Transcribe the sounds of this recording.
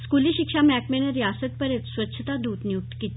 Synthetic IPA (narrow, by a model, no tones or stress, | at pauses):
skuliːɕikʂamækmeneɾjasət̪̚pəɾjet̪sʋət̪ːɕʰət̪ad̪uːt̪nijuk̚t̪kit̪